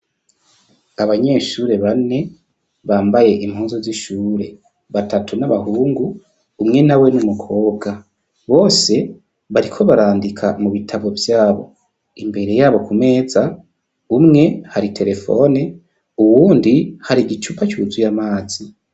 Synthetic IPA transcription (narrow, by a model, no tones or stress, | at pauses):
aβaɲe̞ːʃuɾe̞βane̞ | βaːmbaje̞ʔimhuːnzuziʃuːɾe̞ | βatʰatʰunaβahuːŋɡuː | mŋe̞nawe̞numukʰo̞ːbɡa | βo̞ːse̞ | βaɾikʰo̞βaɾaːndikʰamuβitʰaβo̞vjaːβo̞̰ | imbe̞ɾe̞jaːβo̞kume̞ːza | umŋe̞haɾitʰe̞ɾe̞fo̞̰ne | uwuːndihaɾiɟit͡ʃupacuːzujamaːz̥i